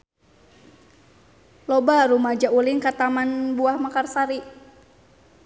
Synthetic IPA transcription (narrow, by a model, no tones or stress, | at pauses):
lɔbaɾumad͡ʒauliŋkat̪amanbuahmakarsaɾi